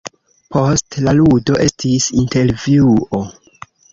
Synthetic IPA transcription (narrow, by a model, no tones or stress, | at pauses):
pʰo̞stlaludo̞ʔe̞stʰisinte̞ɾvjiuo̞